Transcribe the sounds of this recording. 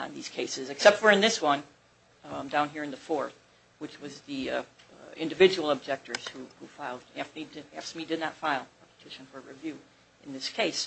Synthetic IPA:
nðiz̥kʰeɪsɨzɨksɛp̚twə˞ɨ̃nðɪswʌ̃n | ãɪ̃mdãʊ̃nɦiɹɨ̃nðəfɔɹθ | wɨt͡ʃwʌzði | ɪ̃ndɨvɪd͡ʒɨwl̩ˠəb̚d͡ʒɛk̚tə˞z̥huhufaɪlˠd̚æfmidɨæfsmidɨdⁿnɨtfaɪlˠɛpʰə̥tʰɪʃɨ̃nfə˞ɹivjʉ | ʔɨ̃nðɪskʰeɪs

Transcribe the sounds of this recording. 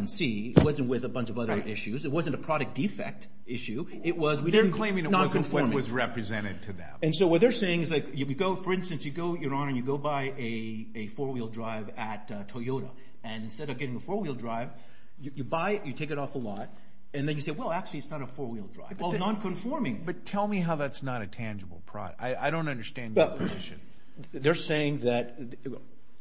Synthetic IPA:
nsi | ɪ̰t̚wʌzɨ̃nʔ̚wɪðəbʌ̃nt͡ʃʌvʌðə˞ʔɪʃʉzɨt̚wʌzɨ̃ntɨpʰɹ̥ɑɾɨk̚d̥ifɛ̰k̚t | ɪʃʉ | ɪt̚wʌzwidɪə˞n̩kʰl̥ẽɪ̃mɪ̃ŋɨnɑ̃kɨ̃ɱfɔɹm̃ʌzɹɛpɹɨzɛ̃ɾ̃ɨd̚tʰɨðɨ̰̃mɨ̃nsoʊwʌt̪̚ðə˞seɪɪ̃ŋɨzlaɪkjɨjɨɡoʊfə˞ɪ̃nstɨ̃nsjɨɡoʊjə˞ə̃nɨ̃njɨɡoʊbaɪ | ɨ | ɨfɔɹwilˠdɹaɪvɨt̚ | tʰoɪoʊɾə̰ | ɨ̃nstɛɾʌɡ̥ɛɾɪ̃ŋəfɔɹwilˠdɹaɪv̥ | jɨjɨbaɪjɨtʰeɪkɨɾɔfəlɔt̚ | ɨ̃nðɨ̃njɨseɪwɛlˠæk̚t͡ʃʉl̩ˠiɨtsnəɾəfɔɹwilˠdɹa̰ɪvwɛlˠnɑ̃nkʰɨ̃ɱfɔɹmɪ̃ŋb̥ʌtʰɛlˠmiɦaʊðætsnəɾɨtʰæ̃nd͡ʒɨbl̩ˠpʰɹ̥ɑ̰ɾa̰ɪaɪɾõʊ̃ntʌ̃ndə˞stæ̃ndjwɛlzɪʃɨ̰̃n | ðə˞seɪɪ̃ŋðɨt̪̚

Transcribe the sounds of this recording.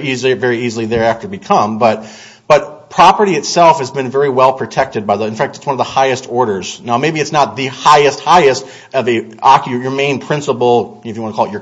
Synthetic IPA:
izvɛɹiizl̩ˠiðə˞æftə˞bɨkʰʌ̃mbʌt̚ | b̥ʌt̚pʰɹ̥ɑpə˞ɾiɨtsɛlˠfhɨzbɨ̃nvɛɹiwɛlˠpʰɹ̥ɨtʰɛk̚tɨd̚baɪðɨ̃nfæk̚tɨ̥tswʌ̃nʌvðəhaɪɨstɔɹɾə˞z̥naʊmeɪbiɨtsnət̪̚ðɨhaɪɨst̚haɪɨst | ʌviɑkəjə˞mẽɪ̃npʰɹ̥ɪ̃nsəpl̩ˠɨfjɨwɑ̃nəkʰɔlˠətt͡ʃə˞

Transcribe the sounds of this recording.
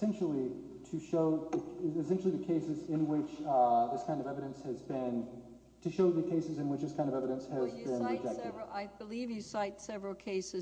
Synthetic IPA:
sɛ̃nʃl̩ˠi | ɾʰɨʃoʊðɨɨsɛ̃nʃl̩ˠiðɨkʰeɪsɨzɪ̃nwɪt͡ʃðɪskʰãɪ̃ndʌvɛvɨɾɨ̃nshɨzbɪ̃n | tʰɨʃoʊðɨkʰeɪsɨzɨ̃nwɨt͡ʃðɪskʰãɪ̃ndʌvɛvɨɾɨ̃nshɨzbɪ̃nnɹɨd͡ʒɛk̚tʰɨdaɪbəlivjɨsaɪtsɛvɹl̩ˠkʰeɪsɨ

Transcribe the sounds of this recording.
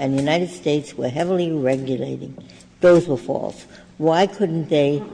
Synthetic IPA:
ɨ̃njʉnaɪɾɨd̥steɪtswə˞ɦɛvl̩ˠiɹɛɡjɨleɪɾɪ̰̃ŋ | ðoʊzwə˞fɔ̰lˠs | waɪkʰʊdⁿn̩ðeɪ

